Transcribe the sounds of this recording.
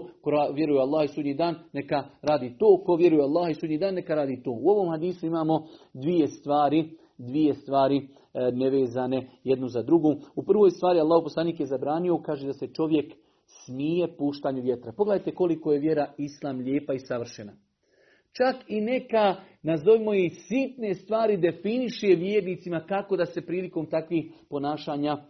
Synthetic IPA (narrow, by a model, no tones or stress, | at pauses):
koɾaʋje̞ɾujealˠːaːhisuːd̪ɲiːd̪aːnːe̞kaɾaːd̪iːt̪oːko̞ʋje̞ɾujealˠːaːhisuːdɲiːd̪aːnːe̞kaɾaːd̪iːt̪oːuo̞ʋo̞ːmhad̪iːsuimaːmo̞d̪ʋije̞st̪ʋaːɾi | d̪ʋije̞st̪ʋaːɾi | neʋe̞ːzaːne̞jed̪nuzad̪ɾuɡoupr̩ʋoːjst̪ʋaːɾialːaːhoupo̞slˠaːniːkjezabɾaːnio̞kaːʒed̪ase̞t͡ʃo̞ʋje̞k | smije̞puːʃt̪aːɲuʋje̞t̪ɾapo̞ɡledajt̪e̞ko̞liko̞je̞ʋje̞ɾaislˠaːmʎeːpaisaʋr̩ʃena | t͡ʃakine̞kanazo̞ʋimo̞isit̪ne̞st̪ʋaːɾid̪e̞finiʃeʋjeːɾniːt̪simakako̞d̪ase̞pɾiːliko̞ːmt̪akʋiːxpo̞naːʃaːɲaː